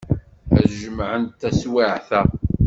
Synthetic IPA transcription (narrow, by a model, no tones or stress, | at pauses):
æʒəmʕənt̪ːæswaʕθæ